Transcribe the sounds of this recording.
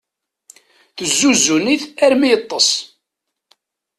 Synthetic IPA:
θəzːuzːuniθæɾmijət̪ˤːəsˤ

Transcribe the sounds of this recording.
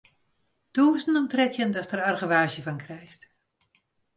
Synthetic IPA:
d̥usənɔmtrɛkjəndɑtərɑrχəʋaːʒjəvɑnkrɛjst

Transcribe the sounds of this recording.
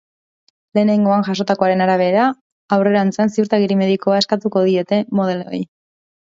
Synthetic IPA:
le̞ːne̞ŋɡo̞aŋʝaso̞t̪ako̞aɾe̞naɾaβ̞e̞ɾaː | wre̞ɾant͡sansiuɾt̪aɣiɾime̞ðiko̞ae̞skat̪uko̞ðie̞t̪e̞mo̞ð̞e̞lo̰j

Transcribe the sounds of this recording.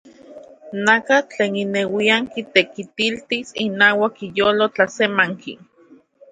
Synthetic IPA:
nakat͡ɬeːninewiaŋkit̪ekit̪ilt̪isinaːwakijoːlot͡ɬasemaŋkʰḭ

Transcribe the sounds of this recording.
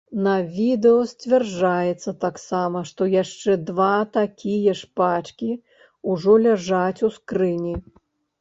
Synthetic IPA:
nɐvʲid̪ɛɔsʲt͡sʲvʲɛrd͡ʐajɛt̪sːɐt̪aksamɐʂt̪ɔjaʂt͡ʂɛd̪vat̪akʲʰijɐʂpat͡ʂkʲi | uʐɔlʲaʐat͡sʲuskɾɨnʲi

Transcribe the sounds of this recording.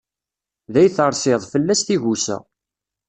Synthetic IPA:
ðæjθəɾˤsɪðˤfəlːæsθiʝusæ̰

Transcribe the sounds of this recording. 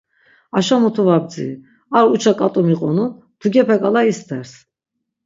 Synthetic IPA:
aʃamut̪ʰuvab̚d͡zḭ | aɾut͡ʃʰakʼat̪ʼɔmiqʼɔnu | d̪̥ʰuɡɛpʰɛkʼalaist̪ʰɛɾs

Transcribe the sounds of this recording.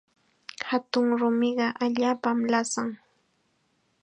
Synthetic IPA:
hat̪ʊŋɾʊmɪɢɑʔaʎaːpamlasaŋ

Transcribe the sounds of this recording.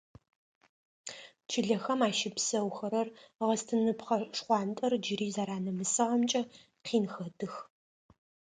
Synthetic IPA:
t͡ʃʰɪɮɐxɐmaːʃɪpsɐwxɐɾɐrʁɐstʰɨnɨpχɐʂχʷɑːntʼɐrd͡ʒɪɾiːzaːɾaːnɐmɨsɨʁɐmt͡ʃʼɐ | qʰiːnxɐdʰɨx

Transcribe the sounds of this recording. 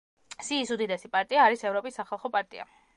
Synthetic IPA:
siːsud̪id̪ɛsipʼaɾt̪ʼiaːɾisɛvɾɔpʼisːaχɛlˠχɔpʼaɾt̪ʼḭa̰

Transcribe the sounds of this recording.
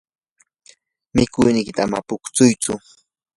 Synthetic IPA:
mɪkʊjnɪjkɪ̥t̪aama̰pʊkt͡sʊjt͡sʊ

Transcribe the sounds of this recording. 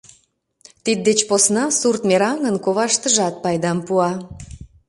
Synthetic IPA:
t̪id̪̚ːet͡ɕposnɑsurt̪meɾɑŋənkoβɑʃt̪əʒɑt̪̚pɑjd̪ɑmpuɑ

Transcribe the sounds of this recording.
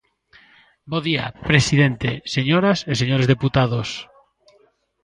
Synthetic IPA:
boðia̰pɾesiðent̪eseɲoɾaseseɲoɾezðeput̪að̞os

